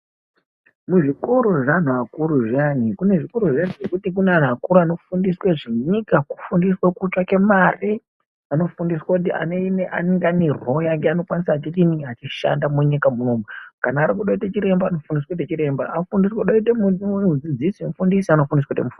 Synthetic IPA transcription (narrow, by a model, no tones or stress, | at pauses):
muʐikoɾoʐan̤uakuɾuʐianikune̞ʐikoɾoʐanuʐekutik̬unean̤uakuɾuano̞fundisweʐiɲikaku̥fundiswakut͡ʃwake̞mari | ano̞fundiswakut̬iʔa̰neineʔa̰neŋɡeanerojaŋɡeano̞kwanisaːt͡ʃitiniɡat͡ʃiʃa̰ndamuɲikamunomukanaːɾikuɗaitat͡ʃiɾe̞mbano̞fundiswat̬et͡ʃiɾe̞mba̰afundiswaɗaitemunmud͡zid͡zisimufundisiano̞fundiswatemufu